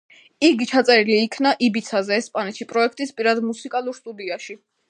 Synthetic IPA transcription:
iɡit͡ʃʰat̪sʼɛɾiliːkʰnaʔibit̪sʰazɛːspʼanɛt̪ʃipʼɾɔɛkʰt̪ʼispʼiɾad̪musikʼalˠuɾst̪ʼud̪iaʃi

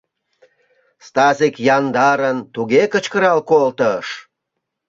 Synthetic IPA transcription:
st̪ɑzikjɑnd̪ɑɾənt̪uɣekə̆t͡ɕkəɾɑlkolt̪əʃ

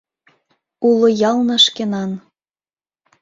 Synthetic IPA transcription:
ulŏjɑlˠnɤ̆ʃkenɑn

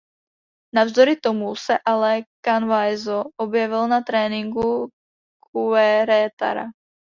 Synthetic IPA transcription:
navzd̪oɾɪt̪omusɛʔalɛkanvajzoʔobjɛvɪlnat̪ɾɛːnɪŋɡu | kuɛɾɛːt̪a̰ɾa̰

